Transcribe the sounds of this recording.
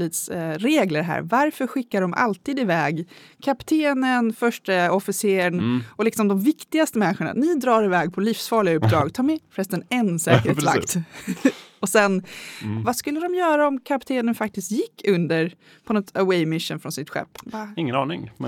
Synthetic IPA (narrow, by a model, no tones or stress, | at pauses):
liːt̪sɾeːɡləɾɦæ̰ːɾvaɾfœɾɧɪkːadɔmʔa̰lt̪iːd̪ɪvɛːɡkʰapt̪ʰeːnənfœʂʈəɔfɪseːɾəɳɔlɪksɔmd̪ɔmvɪkt̪ɪɡast̪əmɛnɪɧʊɳa̰nɪd̪ɾɑːɾɪvɛːɡ̚pʰɔliːfsfɑːɭɪɡaɵp̚ːd̪ɾɑ̰ːɡt̪ʰɑːɾmɛfɾɛst̪ənɛnsɛ̰ːkɾḛːsla̰kːt̪ | ɔsɛnvaskɵlːəd̪ɔmjœːɾaɔmkʰapt̪ʰeːnənfak̚t̪ɪst̪jɪkʰːɵnd̪əɾ | pʰɔnɔt̪awɛmɪʂːənfɾɔnsɪt̪ɧɛ̰pːvaɪŋːənɑːnɪ̰ŋ